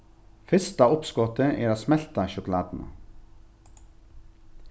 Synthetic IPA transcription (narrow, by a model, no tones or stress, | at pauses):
fɪst̪ɑʊpskɔt̪əʔeːɾoːsmɛlt̪ɑʃʊklɑ̰ːd̪n̩ə̰